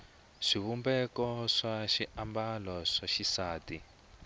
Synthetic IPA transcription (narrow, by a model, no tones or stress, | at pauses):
ʂiβumbɛkɔʂaʃiambalɔʂaʃisaːti